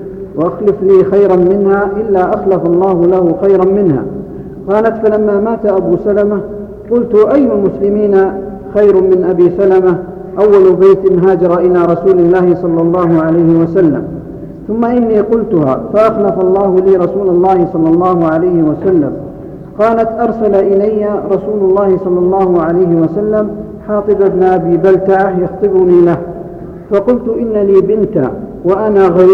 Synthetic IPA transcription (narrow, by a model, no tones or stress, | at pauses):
waʔaxlɪfliːxajɾanmɪnhaːʔɪlːaːʔaxlafɑlˤːɑːhʊlahʊxajɾɑnmɪnha̰ː | qɑːlat̪falamːaːmaːt̪ʔabuːsalama | qʊlt̪ʊʔajːʊmʊslɪmiːna | xajɾmɪnʔabiːsalama | ʔawːalʊbeːt̪ɪnɦaːd͡ʒɑɾˤɑʔɪlaːɾˤɑsuːlɪlːaːhɪsˤɑlːɑlˤːɑːɦʊʕalajhɪwasalːa̰m | θʊmːaʔɪnːiːqʊlt̪ʊha̰ːfaʔaxnafɑlˤːɑːhʊliːɾˤɑsuːlɑlˤːɑːhɪsˤɑlːɑlˤːɑːhʊʕalajhɪwasalːa̰m | qɑːlat̪ʔɑɾˤsalaʔɪlajːaɾˤɑsuːlʊlˤːɑːhɪsˤɑlːɑlˤːɑːhʊʕalajhɪwasalːam | ħɑːt̪ˤɨbabnʔabiːbalt̪aʕahjɑxt̪ˤɨbʊniːlah | fɑqʊlt̪ʊʔɪnːaliːbɪnt̪a̰waʔanaːɣa